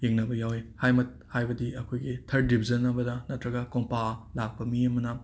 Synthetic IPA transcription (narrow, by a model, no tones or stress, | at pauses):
jeŋnɐbɐjawehajmɐt̚hajbɐdiɐkʰojɡitʰɐɾdibʰʱizɐnɐbɐdɐnɐtɾɐɡɐkoŋpalak̚pɐmiɐmɐnɐ